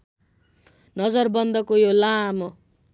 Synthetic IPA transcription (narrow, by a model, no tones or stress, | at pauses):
nʌd͡zʌrbʌnd̪ʌkojolamʌ